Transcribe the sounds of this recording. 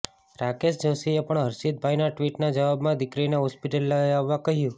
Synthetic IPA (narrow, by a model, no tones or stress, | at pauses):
ɾakesd͡ʒosiepəɳɦəɾʃid̪̚bʱajnaʈʋiʈnad͡ʒəʋabmãd̪ɪkɾinaɦɔspɪʈəlːəjaʋːakəɦjũ